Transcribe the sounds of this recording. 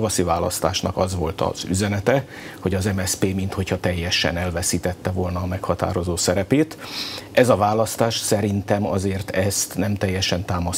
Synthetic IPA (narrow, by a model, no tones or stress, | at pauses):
vɒsivaːlɒ̰st̪aːʃnɒkɒzʋo̞lt̪ɒ̰z̥y̰zɛnɛt̪ɛ | ho̞ɟɒzɛmɛspeːmint̪ho̞chɒt̪ɛjːɛʃɛ̰nɛlvɛsiːt̪ɛt̪ːɛvolnɒːmɛkhɒt̪a̰ːɾo̞zoːsɛɾɛpeːt̪ʔɛzɒvaːlɒst̪aːʃsɛɾint̪ɛmɒ̰zeːrt̪ɛst̪nɛmt̪ɛjːɛʃɛnt̪aːmɒs